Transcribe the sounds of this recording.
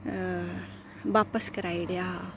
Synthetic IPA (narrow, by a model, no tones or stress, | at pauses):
ʋaːpəskɐɾaːiɽjaː